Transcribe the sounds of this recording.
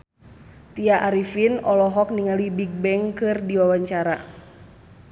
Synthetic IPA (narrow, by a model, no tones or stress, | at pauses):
t̪iaʔaɾifinɔlɔɦɔk̚niŋalibiɡ̚bɛŋkɨrdiwawaɲt͡ʃaɾa